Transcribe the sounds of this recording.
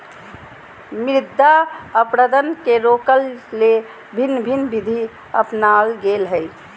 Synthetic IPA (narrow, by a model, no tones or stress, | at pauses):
mɾɪd̪ʱːaəpɾəd̪ənkeɾokəlːe | bʱinːbʱinbid̪ʱi | əpnalɡelɦəj